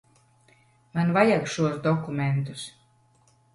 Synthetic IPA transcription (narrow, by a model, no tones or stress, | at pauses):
manvajakʃuɔsd̪ɔkumʲɛnt̪us